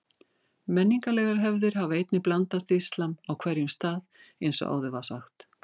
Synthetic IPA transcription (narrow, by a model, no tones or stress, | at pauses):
mɛnːiŋkalɛɣaɾɦɛvðɪɾ̥ɦavaejt̪nɪplant̪ast̪ist̪lamawkʰvɛɾjʏmst̪aːð | ejnsɔ̰ʔa̰ːwðʏvasa̰xt̪